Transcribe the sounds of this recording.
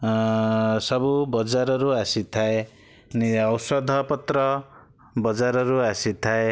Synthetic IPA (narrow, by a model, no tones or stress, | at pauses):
sʌbubɔd͡zaɾɔɾuasit̪ʰae | niʌwsɔd̪ʱʌpɔt̪ɾɔ | bʌd͡zaɾɔɾuasit̪ʰae